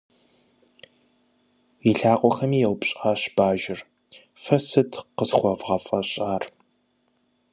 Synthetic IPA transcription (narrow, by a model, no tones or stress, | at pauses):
iɬaːqʷʼɔxɐmiːjɛwpɕʼaːɕb̥aːʒɪr | fɐsɨtʰqəzxʷɔvʁɐfʼɐɕʼaːr